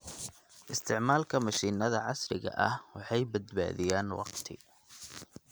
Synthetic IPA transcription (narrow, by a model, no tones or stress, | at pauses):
ʔɪst̪ʰɪʕmaːlkʰɐmɐʃiːnɐðɐʕɑsrɪɣɐ̰ʔɐhwɑħɑjbɐd̪ba̰ːðɪjaːnwɑ̰qt̪ʰɪ